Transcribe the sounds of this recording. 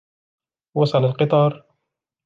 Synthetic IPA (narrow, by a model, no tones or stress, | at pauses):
wɑsˤɑlalqɨt̪ˤɑːɾˤ